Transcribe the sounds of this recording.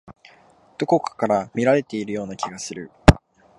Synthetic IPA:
d̪̥o̞ko̞kɯ̥kaɾamʲiɾaɾe̞t̪e̞iɾɯ̟jo̞ːnakʲiɡasɨɾɯ̟

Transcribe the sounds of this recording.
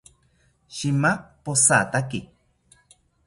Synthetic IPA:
ʃimaposat̪aki

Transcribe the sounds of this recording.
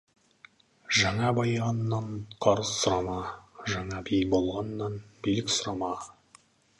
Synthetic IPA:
ʒæŋɑbɑjʁɑnːɑɴqʰɑɾɤsŏɾɑmɑʒɑŋɑbijbolˠʁɑnːɑnbilɪksŏɾɑmɑ

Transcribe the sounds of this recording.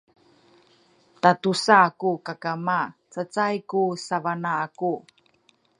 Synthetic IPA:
tatusaːkukakamat͡sət͡sajkusavanaːku

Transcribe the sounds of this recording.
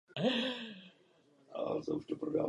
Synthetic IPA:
a̰t̪ouʃt̪opɾoda̰ː

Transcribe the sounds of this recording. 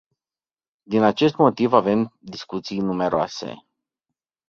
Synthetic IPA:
d̪inat͡ʃe̞st̪mo̞t̪ivave̞md̪iskut̪sijnume̞ɾoa̰se̞̰

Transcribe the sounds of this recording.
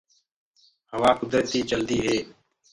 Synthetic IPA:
həʋaːkʊd̪ɾət̪iːt͡ʃəld̪iːɦeː

